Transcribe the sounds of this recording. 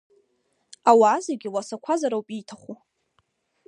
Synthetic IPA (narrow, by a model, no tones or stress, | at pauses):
awaːzeɡʲiwasakʷʰazaɾawpʼitʰaχu